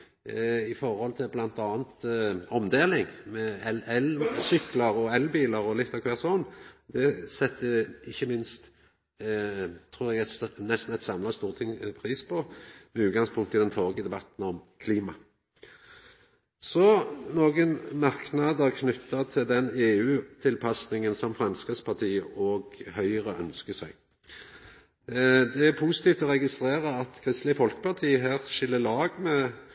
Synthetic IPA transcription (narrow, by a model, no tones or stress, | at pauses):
ɪfɔɾhɔlt̪ʰɪlblɑnt̪ɑːnt̪ɔmd̪eːlɪŋmɛɛɛlsʏklɑɾɔɛlbiːləɾɔlɪt̪ːɑkʰʋɛːʁsɔnd̪ɛsɛt̪ːəɪçːəmɪnst̪ | t̪ʰɾuːʁɛɡæt̪snɛst̪n̩ɛt̪sɑmlɑst̪uːʁt̪ʰɪŋpʰɾiːspʰɔmɛʉːd̪ɡɑŋspʰʊŋkt̪ɪld̪ɛnt̪ʰoːɡəd̪ɛbɑt̪n̩ɔmkʰliːmɑ | sɔnoːɡənmɑʁknɑd̪əʁkʰnʏt̪ːɑt̪ʰɪld̪ɛneːʉːt̪ʰɪlpʰɑsnɪŋənsɔmfɾɛmskəspʰɑʁt̪ʰiːəʔɔːɡhœʏəʁəœnskəsæɪɡ | d̪ɛæɾpʰusɪ̥t̪iːft̪ɔʁɛɡɪst̪ʁeːʁəɑt̪kʰʁɪst̪lɪfɔlkə̥pɑʁt̪ʰiːəɦæːʁʃɪlːəlɑːɡmɛ